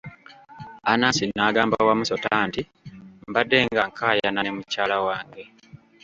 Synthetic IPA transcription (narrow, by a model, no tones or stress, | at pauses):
anasinːaːɡaːmbawamuso̞taːnti | mbadːe̞ŋɡaŋkʰaːjananemucaːlawaːŋɡe̞